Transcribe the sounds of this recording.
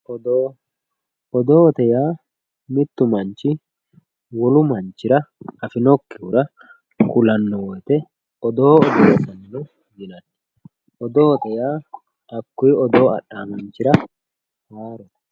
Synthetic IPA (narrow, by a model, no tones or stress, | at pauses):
ɔd̪oː | ɔd̪oːɔt̪ɛjaː | mɪt̪ːʊmɐnt͡ʃːɪ | wɔlʊmɐnt͡ʃːɪɾɐɐfɪnɔkːɪʊɾɐ | kʊlɐnːɔwɔjt̪ɛ | ɔd̪oːɔd̪ɔɔtɐnːnɔ | d̪ɪnɐnːɛ | ʔɔd̪oːt̪ɛjaː | ʔɐkːʊjɔd̪oːɐ̰ɗːaːmɐnt͡ʃːɪɾɐ | haːɾɔt̪ɐ̥